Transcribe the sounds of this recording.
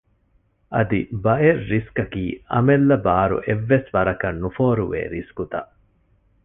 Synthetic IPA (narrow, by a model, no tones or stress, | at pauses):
ʔɐ̰d̪ibɐʔeɾːiskɐkiːɐ̰melːɐbaːɾṵʔeʋːesʋɐɾɐkɐnːufoːɾuʋḛːɾiskut̪ɐʔ